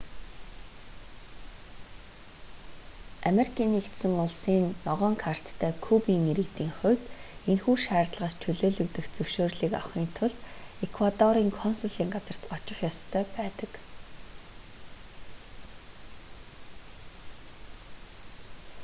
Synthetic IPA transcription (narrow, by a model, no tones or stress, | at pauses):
ameɾikʰiːnikt̪sɘ̆ŋʊɮsiːnːɔʁœːŋkʰar̥t̪ːʰæːkʰupiːŋiɾɘ̆kt̪iːŋχʊːt̪enxuːʃæːrt̪ɮʁaːst͡ɕʰɵɮoːɮɵ̆kt̪ɘ̆xt͡sɵwʃoːrɮiːka̰wχiːnt̪ʰʊɮt̪ekʰwat̪ɔɾiːŋkʰɔnsʊɮiːŋɢat͡sə̆r̥t̪ɔt͡ɕɪ̆χjɔst̪ʰœːpæːt̪ə̆k